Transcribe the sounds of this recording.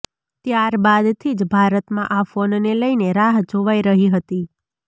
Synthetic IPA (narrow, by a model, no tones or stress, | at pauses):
t̪jaɾbad̪t̪ʰid͡ʒbʱaɾət̪mãʔafonneləineɾaɦd͡ʒoʋaiɾəɦiɦət̪i